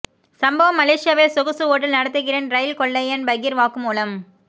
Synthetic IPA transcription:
sɐmbɐʋɐmːɐleːʂɪjaːʋelsʊɣɯsɯoːʈːɪlnɐɽɐt̪ːɯɣɪrɐnɾɐjlkɔɭːɐjɐnbɐɣɪɾʋaːkɯmuːlɐm

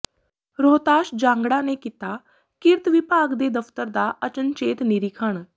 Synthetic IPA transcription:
ɾoːt̪aːʃd͡ʒãːŋɡɽãːneːkiːt̪aː | kɪɾt̪ʋɪpaːɡd̪eːd̪əpʰt̪əɾd̪aːʔət͡ʃənt͡ʃeːt̪nɪɾɪkʰəɳ

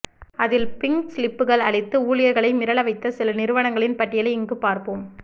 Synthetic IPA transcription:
ɐðɪlpɪŋɡslɪpːɯɣɐɭɐɭɪt̪ːɯuːlɪjɐɾɣɐɭɐɪmɪɾɐɭɐʋɐɪt̪ːɐsɪlɐnɪɾɯʋɐnɐŋɡɐɭɪnpɐʈːɪjɐlɐɪɪŋɡɯpaːɾpɯːm

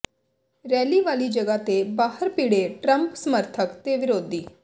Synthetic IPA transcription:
ɾɛːliːʋaːlid͡ʒəɡat̪ebaːɦəɾpiːɽeʈɾəmpsəməɾt̪ʰəkt̪eʋɪɾoːd̪ʱiː

